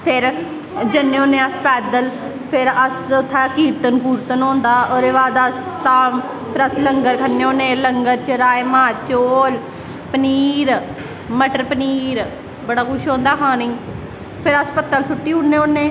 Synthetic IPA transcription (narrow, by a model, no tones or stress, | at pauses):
pʰɪɾ | d͡ʒɪnːeːoːnẽːəspɛːd̪əl | pʰɪɾəsʊt̪ʰːaːkiːɾt̪ənpuːɾt̪ənõːnd̪aːoːɾeːʋaːd̪aːst̪ãː | pʰɪɾəsləŋɡəɾkʰənːeːõːnẽːləŋɡəɾt͡ʃəɾaːeːmãːt͡ʃoːl | pəniːɾ | məʈəɾpəniːɾ | bəɽaːkʊʃõːnd̪aːkʰãːniː | pʰɪɾəspət̪ːəlsʊʈːiːɦʊɳːeːõːnːẽː